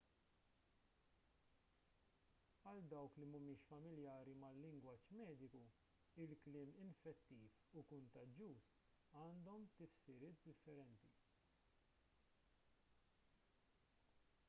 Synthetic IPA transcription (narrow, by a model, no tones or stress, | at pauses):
ɐld̪ɐwklimʊmɪːʃfɐmɪljɐːɾimɐlːɪŋɡwɐːt͡ʃmɛːd̪ɪku | ɪlklɪːmɪnfɛt̪ːiːfukʊnt̪ɐd͡ʒjuːs | ɐːnd̪ɔmt̪ɪfsɪɾɪːt̪̚d̪ɪfːɛɾɛnt̪i